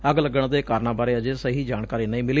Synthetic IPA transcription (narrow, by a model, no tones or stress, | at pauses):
əɡləɡəɳ̃d̪eːkaːɾnãːbaːɾeːəd͡ʒeːsəɦiːd͡ʒaːɳkaːɾiːnəĩːmɪlː